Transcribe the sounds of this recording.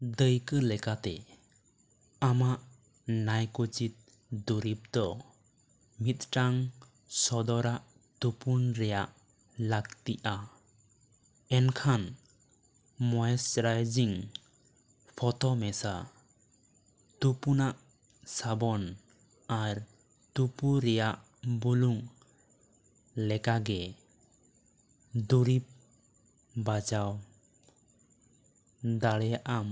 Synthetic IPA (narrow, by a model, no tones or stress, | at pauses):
d̪əjkɯlɛkat̪ɛ | amaʔ | najkut͡ʃit̪̚ | d̪uɾip̚d̪ɔ | mit̪̚ʈaŋ | sɔd̪ɔɾaʔ | t̪upunɾɛjaʔ | lak̚t̪iʔa | ɛnkʰan | mɔjɛsɾajd͡ʒiŋ | pʰɔt̪ɔmɛsa | t̪upunaʔ | sabɔn | aɾ | t̪upuɾɛjaʔ | buluŋ | lɛkaɡɛ | d̪uɾip̚ | bad͡ʒaw | d̪aɽɛjaʔam